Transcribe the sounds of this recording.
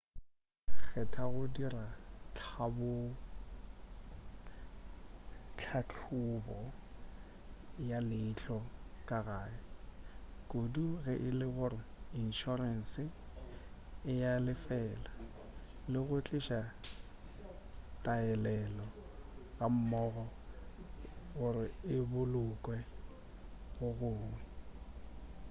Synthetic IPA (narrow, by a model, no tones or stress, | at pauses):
k͡xʰɛtʰaɣʊdirat͡ɬʰabʊ | t͡ɬʰat͡ɬʰʊbɔ | jalɪt͡ɬʰɔkʼaɣaːɪ | kʼoduɣɛʔɪlɪɣʊrɪinʃɔrɛn̩sɪ | ɪjalɪfɛːla | lɪɣʊt͡ɬʼɪʃa | tʼaɛlɛlɔɣʼam̩mɔːɣɔ | ɣʊɾɪɪbʊlʊkʼwɛ | ɣʊɣʊːŋwɛ